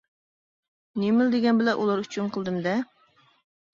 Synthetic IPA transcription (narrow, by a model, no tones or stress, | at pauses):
nemɪld̪ɪɡʲɛnbɪlɛʔulˠɑɾyt͡ʃʰynqʰəlˠd̪ɨmd̪ɛ